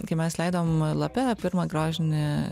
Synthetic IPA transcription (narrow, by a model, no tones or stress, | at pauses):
kɐɪmʲɛslʲɛɪd̪omlˠɐpʲɛpʲɪɾmɐɡɾoːʒʲɪnʲɪ